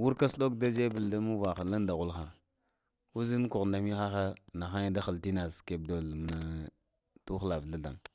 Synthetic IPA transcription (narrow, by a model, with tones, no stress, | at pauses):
wu˦ɾka˦sɗo˦kda˦d͡ʒe˦bə˨lda˦mu˦va˨xa˨la˦nda˨ɣu˦lxa˨ | wu˦zi˦n˦ku˨ɣnda˨mi˦xa˦xa˦na˨xa˦da˦xə˨lti˦na˨ske˨b̚do˨lm˨na˨ | tu˦xla˨vɬa˦ɮa̰˨ŋ